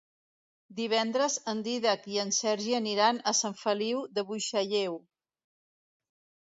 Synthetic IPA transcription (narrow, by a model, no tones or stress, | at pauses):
d̪iβ̞ɛnd̪ɾəzənd̪iðakiənsɛɾʒiəniɾanəsaɱfəliwd̪əβujʃaʎew